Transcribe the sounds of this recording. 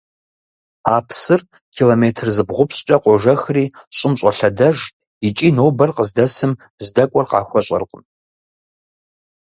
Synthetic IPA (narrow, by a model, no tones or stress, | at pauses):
a̰ːpʰsɨr | kʲʰiloːmeːtʰɨrzɨbʁʷʊpʰɕt͡ʃʼɐqʷɔʒɐxriːɕʼɪmɕʼɐɬɐdɐʒ | it͡ʃʼiːnoːbɐrqəzdɐsɨm | zdɐkʷʼɔrqɑ̰ːxʷɔɕʷʼɐ̰rqʼən